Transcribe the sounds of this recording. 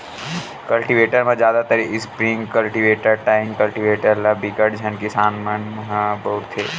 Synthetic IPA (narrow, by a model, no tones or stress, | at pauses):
kɐlʈiʋeːʈəɾmẽd͡ʒjaːd̪at̪əɾiɪspɾɪ̃ŋɡkɐlʈiʋeːʈəɾʈaːɪŋkɐlʈiʋeːʈəɾlabikəʈd͡ʒʱɐnkɪsaːnmənɦbɐɦʊt̪ʰːeː